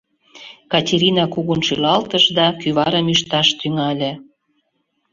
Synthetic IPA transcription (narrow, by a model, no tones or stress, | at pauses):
kɑtʲeɾinɑkuɣunʃylɑlt̪əʃd̪ɑkyβɑɾəmyʃt̪ɑʃt̪yŋɑlʲĕ